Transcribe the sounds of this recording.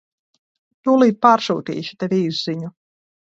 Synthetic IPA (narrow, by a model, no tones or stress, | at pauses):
t̪ulˠiːt̪̚paːɾsṵːt̪ḭːʃi̥t̪ɛvʲiːzziɲu